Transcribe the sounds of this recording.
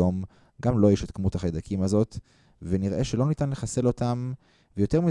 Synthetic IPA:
om | ɡamlo̞jeʃetkmuthaχad̪akʰimazo̞t̪ | veniʁʔeʃelo̞nitanle̞χase̞lo̞tam | vejo̞te̞ʁmi

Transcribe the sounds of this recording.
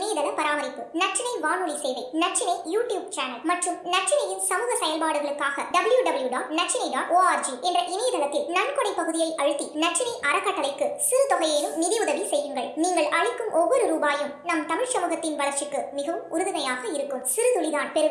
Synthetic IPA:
neːðɐlɐpɐɾaːmɐɾɪpːɯnɐʈ̚t͡ʃɪnɐɪʋaːnɯɭisɛjʋɐɪnɐʈ̚t͡ʃɪnɐɪjuːʈjuːbt͡ʃaːnɐlmɐʈrɯmnɐʈ̚t͡ʃːɪnɐjɪnsɐmuːɣɐsɐjɐlpaːɽɯɣɐɭɯkːaːɣɐɖɐbɯɭjuɖɐbɯljuɖaːʈnɐʈ̚t͡ʃɪniɖaːʈoːaːɾd͡ʒiʔɛndrɐʔɪneːðɐlɐt̪ːɪlnɐnkɔɽɐɪpɐɣɯðɪjɐɪʔɐɻɯt̪ːinɐʈ̚t͡ʃːɪnɐɪʔɐɾɐkːɐʈːɐlɐɪkːɯsɪɾɯt̪ɔɣɐjeːlɯmnɪðiʊðɐʋisɛjːɯŋɡɐɭniːŋɡɐɭʔɐɻɪkːɯmʔɔʋːɔɾɯɾuːbaːjɯmnɐmt̪ɐmɪɻsɐmuːɣɐt̪ːɪnʋɐɭɐɾt͡ʃɯkːɯmɪɣɐʋɯʊɾɯðɪmɐjaːɣɐɪɾɯkːɯmsɪɾɯt̪ʊɭɪðaːnpɛɾɯ

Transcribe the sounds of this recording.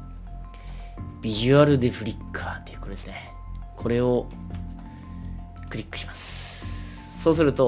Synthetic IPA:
b̥ʲiʑɨaɾɯ̟d̪e̞ɸɯ̟ɾʲikːʰat̪ːeiɯ̥koɾed̪esɨne | kʰo̞ɾe̞o̞ | kɯ̟ɾʲikːɯ̥ɕimasɨ̥ | so̞ːs̬ɨɾɯ̟t̪o̞

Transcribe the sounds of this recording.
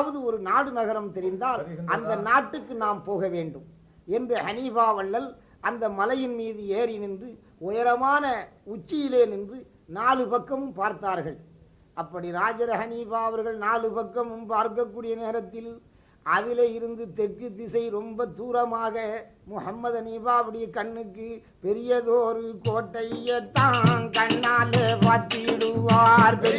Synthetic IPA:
ʋɐðɯɔɾɯnaːɽɯnɐɣɐɾɐmt̪ɛɾɪnd̪aːlɐnd̪ɐnaːʈːɯkːɯnaːmpoːɣɐʋeːɳɖɯm | ɛndrɐhɐniːfaːʋɐɭːɐl | ʔɐnd̪ɐmɐlɐjɪnmiːðɯeːɾɪnɪndrɯ | ɔjɐɾɐmaːnɐʊt͡ʃːɪjɪleːnɪndrɯ | naːlɯpɐkːɐmɯmpaːɾt̪aːɾɣɐɭ | ɐpːɐɽiɾaːd͡ʒɐɾɐhɐniːfaːɐʋɐɾɣɐɭnaːlɯpɐkːɐmɯmpaːɾkɐkːuːɽɪjɐneːɾɐt̪ːɪl | ʔɐðɪleːjɪɾɯnd̪ɯt̪ɛkːɯt̪ːɪsɐɪɾɔmbɐt̪uːɾɐmaːɣɐ | mʊhɐmːɐðɐniːfaːʋɪɽɪjɐkɐɳːɯkːɯ | pɛɾɪjɐðoːɾɯkoːʈːɐjjɛt̪ːãːnkɐɳːaːlɐpaːɾt̪ːiɪɽɯʋːaːɾpɛɪ

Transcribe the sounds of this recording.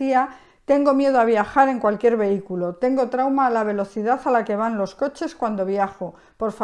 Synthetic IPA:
ia | t̪e̞ŋɡo̞mje̞ðoaβ̞jaxaɾe̞ŋkwalkje̞ɾβe̞ikulo̞t̪e̞ŋɡo̞t̪ɾawmaːlaβ̞e̞lo̞θiðaθalake̞β̞anlo̞sko̞t͡ʃe̞skwand̪o̞β̞jaxo | po̞ɾf

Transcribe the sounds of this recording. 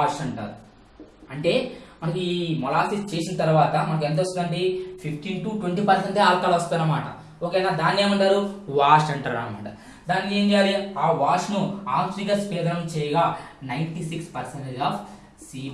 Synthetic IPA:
aːʂɐɳʈa̰ːɾu | ɐɳʈe̞ːmɐnɐkuimɔlaːsist͡ʃeːsinɐt̪ɐɾuʋaːt̪ɐmɐnɐk̬uent̪̬ɐst̪uɐɳɖipʰipʰʈiʈuːʈweɳʈiːpɐɾs̬eɳʈeːaːlkaːlɐst̪unːɐmaːʈɐ̰ | oːkeːjnaːd̪aːnːe̞ːmɐɳʈaːɾuʋaːʂɐɳʈaːɾa̰ːnɐmɐ̰ɳʈɐ | d̪aːnikeːnd̪aɾiaːʋaːʂnuaːksiɡaspɛːd̪ɐnɐmt͡ʃɛːjɐɡaːnɐjɳʈisikspɐɾseɳʈaːf | siː

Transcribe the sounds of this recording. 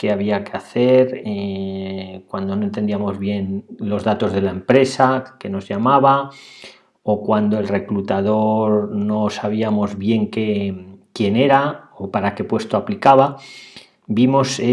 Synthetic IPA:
ke̞aβ̞iakeaθe̞ɾe | kwand̪o̞no̞ent̪e̞nd̪iamo̞zβje̞nlo̞zðat̪o̞zð̞e̞lae̞mpɾe̞sake̞no̞zʎamaβa | okwand̪o̞e̞lre̞klut̪aðo̞ɾno̞saβ̞iamo̞zβje̞ŋkekje̞ne̞ɾaopaɾake̞pwe̞st̪oaplikaβa | bimo̞se

